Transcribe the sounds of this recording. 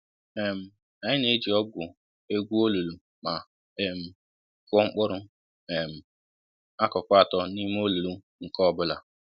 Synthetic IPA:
e˨m̩˨ | a˨ɲɪ˦ne˦d͡ʒi˨ɔ˦ɡʷʊ˨ | e˦ɡʷu˦o˦lu˨lu˨ | ma˨ | e˨m̩˨ | kʊ˦ŋ͡m̩˦k͡pʊ˦ɾʊ˦ | e˨m̩˨ | a˦kɔ˨kʷa˦˨tɔ˦ni˦m˦o˦lu˨lu˦ | ŋ̩˨kɔ˦˨bʊ˦la˨

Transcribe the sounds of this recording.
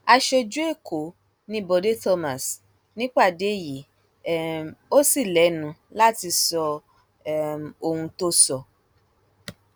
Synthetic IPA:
a˧ʃo˧d͡ʒu˦e˦˨kʰo˨˦ | nĩ˧˦bo˨˧de˦tɔ˧ma˨s | nĩ˦k͡pa˦˨de˨˦˨ji˨˦˨ | o˦si˦˨lɛ˨˦nũ˨˦la˦ti˧sɔ˧˨ | mo˧hũ˧to˦sɔ˧˨

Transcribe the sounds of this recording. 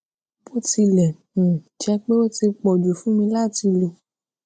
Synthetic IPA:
bo˦ti˧lɛ˨ | ũ˨t͡ʃɛ˧k͡pe˦o˦ti˧k͡pɔ˨d͡ʒu˨fũ˨˦mĩ˧la˦˨ti˧lo˧

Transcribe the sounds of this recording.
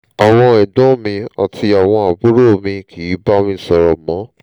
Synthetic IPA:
a˨w̃ɔ̃˧ɛ˨dɔ̃˦mĩ˧a̰˨ti˧a˨w̃ɔ̃˧a˨bu˨˦ɾo˦˨mĩ˧kʰi˨˦ba˦mĩ˧˦sɔ˨ɾɔ˨mɔ̃˨˦

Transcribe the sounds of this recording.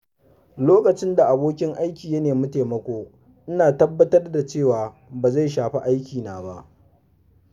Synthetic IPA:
loː˦kɐ˨t͡ʃɪ˦nda˨ʔa˨boː˦kʲɪ˦ŋʔa˦jkʲiː˨jɐ˦neː˨mɐ˦te˨mɐ˦kʷoː˦ | ʔɪ˦naː˨tɐ˦bːɐ˦tɐ˦rda˨t͡ʃeː˦˨waː˨ | baː˨za˦˨jʃaː˨ɸi˦ʔa˦jkʲiː˨naː˨ba˦ʔ

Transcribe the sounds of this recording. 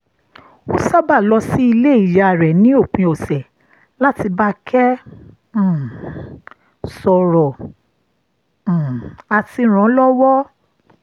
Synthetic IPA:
o˦sa˦ba˦˨lɔ˧si˦i˧le˦i˦˨ja˧˨ɾɛ˨nĩ˦o˦˨k͡pĩ˧o˨sɛ˨ | la˦ti˧ba˦kʰɛ̃˦˨ | sɔ˨ɾɔ˨ | a˧ti˧ɾ̃ɔ̃˨˦lɔ˦wɔ˦

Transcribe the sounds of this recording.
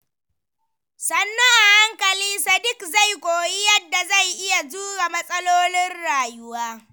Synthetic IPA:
sɐ˨nːɐ˦ŋʔa˨ha˦ŋkɐ˨liː˦sɐ˨dɪ˦kza˦˨jkʷʼoː˨ji˦jɐ˦dːa˨za˦˨jʔɪ˦ja˨d͡ʒuː˦ɾa˨mɐ˦sʼɐ˦loː˦nɪ˦nɽaː˨jʊ˦waː˦

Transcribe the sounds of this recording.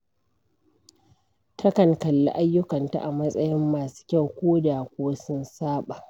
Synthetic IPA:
tʰɐ˦kɐ˨ŋkɐ˨lːa̰˦ʔa˦jːʊ˦kɐ˨nta̰˨ʔa˨mɐ˦sʼɐ˦jɪ˦mːaː˨su̥˦kʲa˦˨wkʷoː˦daː˨kʷoː˦sʊ˦nsaː˦ɓa˨ʔ

